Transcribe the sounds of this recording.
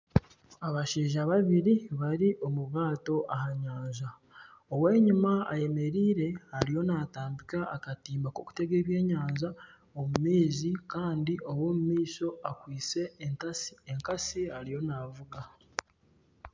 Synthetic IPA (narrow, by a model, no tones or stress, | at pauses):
aβaʃeːʒaβaβiɾiβaɾiʔo̞muβaːto̞ʔahaɲaːnza | oweːɲumaa̰je̞me̞ɾiːɾe̞haɾijo̞naːtaːmbikaːkatiːmbako̰ku̥te̞ɡe̞ːβje̞ːɲaːnza | omumiːzikaːndiʔo̞wo̞ːmumiːso̞akwiːt͡se̞ː | ŋkasihaɾijo̞navuɡa